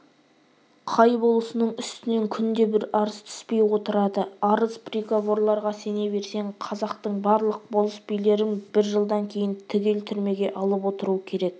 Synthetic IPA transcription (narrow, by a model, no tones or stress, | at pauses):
qʰɑjbo̞lˠəsənəɴʏst̪ɪne̞ŋkʲʰʏnd̪e̞bɪɾɑɾəz̥t̪ʰʏ̥spe̞jwo̞t̪əɾɑd̪əɑɾəzpriɡavo̞ɾlˠɑɾʁɑse̞ne̞βe̞ɾse̞ɴqʰɑzɑqt̪əɴbɑɾlˠəq̚bolˠəsbijle̞ɾɪnbɪɾʒəlˠd̪ɑŋkʲʰe̞jɪnt̪ʰɪɡʲe̞lt̪ʰʏɾme̞ɡʲe̞ʔɑlˠəpwo̞t̪əɾuəkʲʰe̞ɾe̞k̚